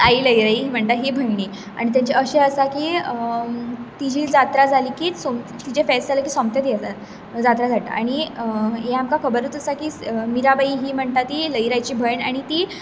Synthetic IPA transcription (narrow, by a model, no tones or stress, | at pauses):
aiːləjɾaiɦim̤əɳt̪aɦebʱəjɳi | a̰ɽ̃it̪̬jaɲt͡ɕeʔəɕeəsakiːə | t̪id͡ʑʱiːld͡zat̪ɾad͡zʱaliːkiːsom | t̪id͡ʑefɛsd͡zʱaləkiːsɔmt̪jat̪iəsa | d͡zat̪ɾad͡zʱaʈa̰a̰ɽ̃iɦeamkakʰəbəɾət̪əsakiːmiɾabaiːɦiːm̤əɳt̪at̪iːləjɾajt͡ɕiːbʱəjɳaɽ̃it̪iː